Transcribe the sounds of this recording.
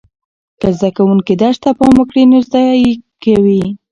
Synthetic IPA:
kəzd̪akawuŋkid̪aʃt̪apɑmʊkɽinozd̪ɑkawi

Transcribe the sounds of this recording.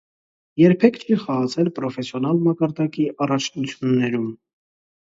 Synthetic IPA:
jɛɾpʰɛkt͡ʃʰiχɑʁɑt͡sʰɛlpɾɔfɛsjɔnɑlmɑkɑɾd̪ɑkiʔɑrɑt͡ʃʰnut͡sʰjunːɛɾum

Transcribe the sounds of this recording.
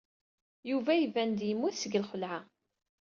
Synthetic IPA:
juvæjəvænd̪jəmːuθsəɡəlχəlʕa

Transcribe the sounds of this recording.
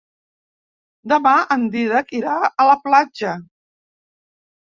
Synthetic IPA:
d̪əmaʔənd̪iðəkiɾaələplad͡ʒə

